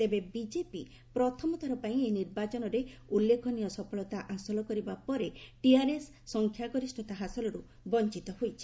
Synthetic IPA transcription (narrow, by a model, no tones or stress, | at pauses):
t̪ebebid͡ʒepi | pɾɔt̪ʰɔmɔt̪ʰaɾɔpaĩeniɾbat͡ʃɔnɔɾeulːekʰɔnijɔsɔpʰɔɭɔt̪aʔasɔlɔkɔɾibapɔɾeʈiaɾesːɔŋkʰjaɡɔɾisʈʰɔt̪aɦasɔlɔɾu | bɔnt͡ʃit̪ɔɦojt͡ʃʰi̥